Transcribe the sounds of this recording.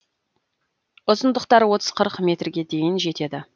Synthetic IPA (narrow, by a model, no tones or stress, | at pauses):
ʊzənd̪əqt̪ɑɾwo̞t̪ə̥z̥qʰəɾəqmʲe̞t̪rɡʲe̞d̪e̞jɪnʒe̞t̪e̞d̪ɪ